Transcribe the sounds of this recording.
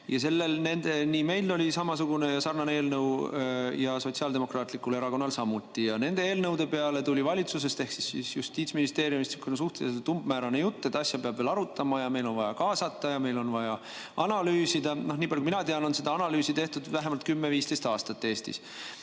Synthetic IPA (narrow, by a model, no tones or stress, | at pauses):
jɑse̞lːe̞lne̞nd̪̥e̞niːme̞jlːolʲisɑmɑsuɡ̥une̞jɑsɑrnɑne̞ːlnɤwjɑso̞t̪siɑːld̪e̞mo̞krɑːt̪likːˑule̞ɾɑko̞nːɑlsɑmut̪ːˑijɑne̞nd̪̥e̞e̞ːlnɤwd̪̥e̞pe̞ɑle̞t̪ulʲivɑlʲit̪sus̬e̞st̪e̞hksisisjust̪iːt̪sminist̪e̞ːɾjumist̪ikːunsuht̪eset̪umbmæːɾɑne̞jut̪ːe̞t̪ːˑɑsjɑpeɑb̥veːlɑɾut̪ːˑɑmɑjɑme̞jlo̞nvɑjɑkɑːsɑt̪ːɑjɑme̞jlo̞nvɑjɑ | ɑnɑlyːsid̪ɑno̞hniːb̥ɑljukuminɑt̪eɑno̞nse̞d̪ɑɑnɑlyːsit̪e̞ht̪ud̪væɦemɑlt̪kymːeviːst̪e̞jst̪ɑːst̪ɑt̪ːe̞ːst̪ḭs